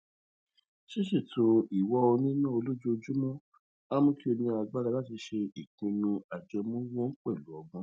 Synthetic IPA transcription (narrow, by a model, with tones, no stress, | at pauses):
ʃe˦ʃi˦˨tʰo˧i˨wɔ˦o˧nĩ˦nãː˦˨o˧lo˦d͡ʒo˦˧d͡ʒu˦mɔ̃˦ | a˦mũ˦ki˦o˧nĩ˧a˧ɡ͡ba˦˧la˧la˦ti˧ʃe˧i˨kũ˧nũ˧a˨d͡ʒɛ˧mũ˦wɔ˦k͡pɛ˦˨lu˨˦ɔ˧ɡũ˦